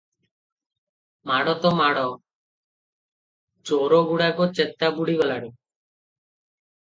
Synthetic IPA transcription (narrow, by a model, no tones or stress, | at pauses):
maɽɔt̪ɔmaɽɔ | t͡ʃoɾoɡuɽakɔt͡ʃet̪ːabuɽiɡɔlaɽu